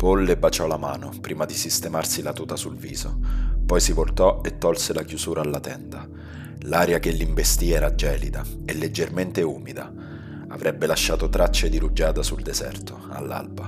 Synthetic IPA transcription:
polːebat͡ʃɔlamaːnopɾiːmad̪isist̪emarsilat̪uːt̪asulvḭːz̥opɔjsivolt̪ɔet̪ːɔlselakjuzuːɾʔaːlːat̪ɛnd̪a | laːɾjakelːiɱvest̪iɛːɾad͡ʒɛːlid̪aelːed͡ʒːerment̪euːmid̪a | a̰vɾʔɛbːelaʃːaːt̪ot̪ɾat͡ʃːed̪iɾud͡ʒaːd̪asuld̪ezɛ̰rt̪o | a̰lːa̰lba

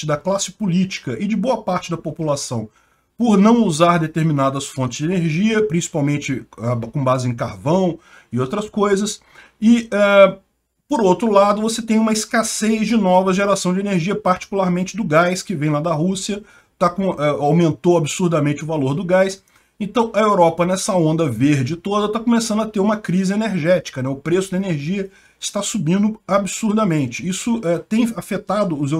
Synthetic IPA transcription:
t͡ʃɪd̪ɐklasɪ̥pʊlit͡ʃi̥kɐʔɪd͡ʒɪboɐpaɾt͡ʃɪd̪ɐpopulasɐ̃w̃ | poɾnɐ̃w̃uzaɾd̪et̪eɾmĩnad̪ɐsfõt͡ʃɪz̥d͡ʒɪeneɾʒiɐpɾĩsi̥pawmẽnt͡ʃɪakõbazɪẽkaɾvɐ̃w̃ | ɪowt̪ɾɐskojzɐs | ɪɛ | poɾowt̪ɾʊlad̪ʊvoset̪ẽj̃ũmɐiskasezd͡ʒɪnɔvɐʒeɾasɐ̃w̃d͡ʒɪeneɾʒiɐpaɾt͡ʃi̥kulaɾmẽnt͡ʃɪd̪ʊɡajskɪvẽj̃lad̪ɐɦusiɐ | t̪akõɛawmẽnt̪owabisuɾd̪ɐmẽnt͡ʃɪʊvaloɾd̪ʊɡajs | ẽnt̪ɐ̃w̃ʔɐewɾɔpɐnɛsɐõnd̪ɐveɾd͡ʒɪt̪od̪ɐt̪akomesɐ̃nd̪ɐt̪eɾũmɐkɾizɪeneɾʒɛt͡ʃi̥kɐnɛʊpɾesʊd̪ɐeneɾʒiɐ | ɪst̪asubĩnd̪ʊabisuɾd̪ɐmẽnt͡ʃɪisʊɛt̪ẽj̃afet̪ad̪ʊːze

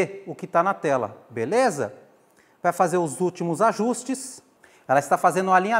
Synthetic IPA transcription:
ʊkɪt̪anɐt̪ɛlɐ̰belezɐ̰ | pɾaɐfazeɾʊzut͡ʃimʊzaʒust͡ʃɪs | ɛlɐɪst̪afazẽnd̪ʊ̃alĩɲa

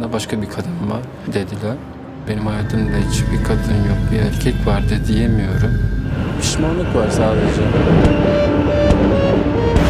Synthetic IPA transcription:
d̪abaʃkʰabikʰad̪ɯnvaɾ | d̪e̞d̪ilʲæn | be̞nimhajaːt̪ʰɯmd̪ait͡ʃʰibiɾkʰad̪ɯnnjok̚biælʲcʰɛcvaɾd̪ɯd̪ijemijo̞ɾumpʰi̥ʃmanlˠɯkvaɾsaaːved͡ʒɛm

